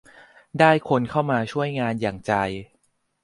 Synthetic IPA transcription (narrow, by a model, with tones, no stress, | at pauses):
daː˥˩jkʰo˧nkʰa˥˩wmaː˧t͡ɕʰu˥˩əjŋaː˧njaː˨˩ŋt͡ɕa˧j